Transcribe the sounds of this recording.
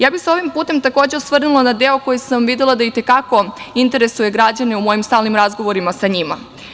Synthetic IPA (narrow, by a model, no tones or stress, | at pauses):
jaːbixseo̞ʋimpuːt̪e̞mt̪ako̞ːd͡ʑe̞usʋr̩nulˠanad̪e̞oko̞jisamʋid̪elˠad̪ait̪e̞kako̞int̪e̞ɾe̞suje̞ɡɾad͡ʑane̞umo̞jimst̪aːlˠnimɾazɡo̞ʋo̞ɾimasaɲima